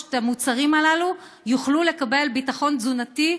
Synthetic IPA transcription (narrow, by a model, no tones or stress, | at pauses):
tamut͡saʁimalalu | juχlule̞kabe̞lbitaχo̞nzunati